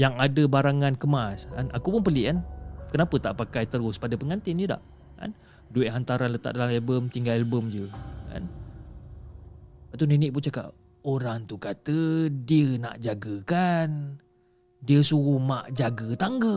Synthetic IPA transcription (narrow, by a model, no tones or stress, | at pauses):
jaŋadəbaɾaŋãnkəmaska̰nʔakupʊnpəlɪʔkankənapət̪aʔpakajt̪əɾʊspadəpəŋant̪ɪnd͡ʒəda̰ʔ | ka̰n | duɪʔɦant̪aɾanlət̪a̰ʔ̚dalamɛlbəmt̪iŋɡalɛlbəmd͡ʒəka̰n | baʔt̪unenɪʔpunt͡ʃaka̰ʔ | oɾaŋt̪ukat̪ədiəna̰ʔd͡ʒaɡəkan | diəsuɣumaʔd͡ʒaɡət̪aŋɡə